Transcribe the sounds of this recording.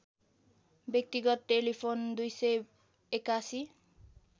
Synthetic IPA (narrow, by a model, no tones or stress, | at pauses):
bjek̚t̪iɡɔt̪̚ʈelipʰond̪ujse | ekasi